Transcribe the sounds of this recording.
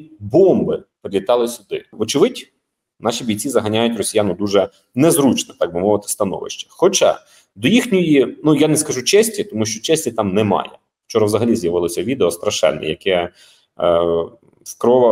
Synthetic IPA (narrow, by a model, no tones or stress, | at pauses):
bɔmbɪpɾɪlʲit̪ɑlˠɪsʲʊd̪ɪɔt͡ʃɪʋɪdʲ | nɑʃibʲijʲt͡sʲizɐɦɐnʲajʊtʲrɔsʲijanʊd̪uʒɛ | nɛzɾut͡ʃnɛt̪ɑɡ̚bʊmɔʋɪt̪ɪ̥st̪ɐnɔ̰ʋɪ̰ʃt͡ʃɐ̥xɔt͡ʃɑ̰ | d̪ɔjixnʲɔjinujanɛskɐʒut͡ʃɛsʲtʲit̪ɔmuʃt͡ʃɔt͡ʃɛsʲtʲit̪ɑmnɛmɑ̰jɛ̰ | wt͡ʃɔɾɐʋzɐɦɐlʲizjɐʋɪlˠɔsʲɐʋʲid̪eɔst̪ɾɐʃɛ̰nːɛ̰jɐkɛ | skɾɔʋɐ